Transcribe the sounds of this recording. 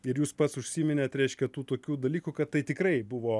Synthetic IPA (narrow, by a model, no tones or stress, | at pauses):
ɪɾjuːspɐt̪sʊʃʲsʲiːmʲɪnʲeːt̪ɾʲɛɪʃʲkʲɛt̪uːt̪oːkʲuːd̪ɐlʲiːkʊkɐt̪t̪ɐɪt̪ʲɪkɾɐɪbʊʋoː